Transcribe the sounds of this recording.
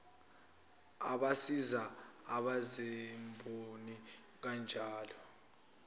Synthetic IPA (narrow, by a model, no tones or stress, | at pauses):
aɓasizaːɓazɛmbʱoni | k̬and͡ʒʱaːlɔ